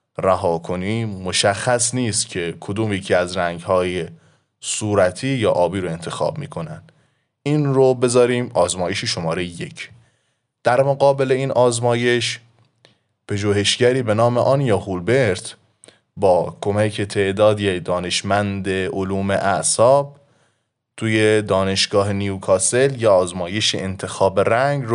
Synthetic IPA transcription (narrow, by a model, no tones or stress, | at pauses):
ræɦɒːkʰo̞niːmo̞ʃæxːæsniːst̪cʰe̞kʰod̪uːmjecʰiːæzɾæŋɡhɒːje | suːɾæt̪ʰiːjɒːʔɒːbiːɾoe̞nt̪ʰe̞xɒ̰ːbmḭːkʰo̞nænd̪ | iːnɾobe̞zɒːɾiːmɒːzmɒːjeʃeʃomɒːɾejeje̞cʰ | d̪̥æɾmoɡɒːbe̞le̞iːnʔɒːzmɒːje̞ʃ | pʰeʒuːhe̞ʃɟæɾiːbe̞nɒːmeʔɒːnjɒːhulbe̞ɾt̪ | bɒːkʰo̞mæcʰet̪ʰe̞ʔd̪ɒːd̪ijed̪ɒːne̞ʃmænd̪eoluːmḛʔæʔsɒːb̚ | t̪ʰuːjed̪ɒːne̞ʃɡ̥ɒːɦeniukʰɒːse̞ljeɒːzmɒːje̞ʃḛʔent̪ʰe̞xɒːbeɾæŋɡɾ